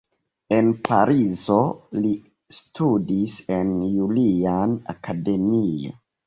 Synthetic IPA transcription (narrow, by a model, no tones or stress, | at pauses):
e̞npʰa̰ɾʔizo̞li | stʰudise̞njuliana̰kade̞mio̰